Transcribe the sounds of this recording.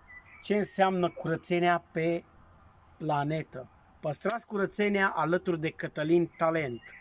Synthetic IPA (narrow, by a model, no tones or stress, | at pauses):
t͡ʃe̞ɨnseamnəkuɾət̪se̞neape̞ | plane̞t̪ə | pəst̪ɾat̪sʲkuɾət̪se̞neaʔalət̪urd̪e̞kət̪əlint̪ale̞nt̪